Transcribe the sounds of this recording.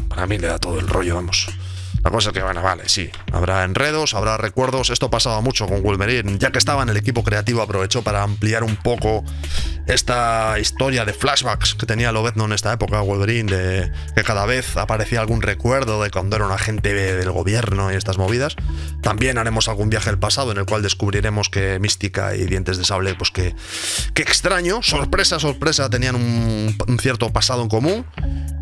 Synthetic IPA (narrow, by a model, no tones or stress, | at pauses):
paɾamile̞ða̰t̪o̞ð̞oe̞lro̞ʝo̞βamo̞s | la̰ko̞saekewenoβale̞si | a̰βɾae̞nre̞ð̞o̞saβ̞ɾare̞kwe̞ɾðo̞sest̪opasaβamut͡ʃo̞ko̞ŋɣwulme̞ɾiɟ͡ʝakest̪aβaene̞le̞kipo̞kɾe̞at̪iβoapɾo̞β̞e̞t͡ʃo̞paɾaːmpliaɾumpo̞ko̞ | e̞st̪aist̪o̞ɾjaðe̞flaʃβaksket̪e̞nialo̞βeðnone̞st̪ae̞po̞kaɣweβɾind̪e̞ | ke̞kaðaβ̞e̞θa̰paɾe̞θiaːlɣ̞unre̞kwe̞ɾðoðe̞kwand̪oeɾaunaχe̞nt̪eβðe̞lɣo̞̰βje̞ɾno̞ie̞st̪azmo̞β̞iðas | t̪ambje̞naɾe̞mo̞salɣumbjaxeelpasaðoene̞lkwald̪eskuβ̞ɾiɾe̞mo̞ske̞mist̪ika̰ḭðje̞nt̪e̞zðe̞saβle̞pweske | keːkst̪ɾaɲoso̞ɾpɾe̞saso̞ɾpɾe̞sat̪e̞nianununθjeɾt̪o̞pasaðoeŋko̞mũŋ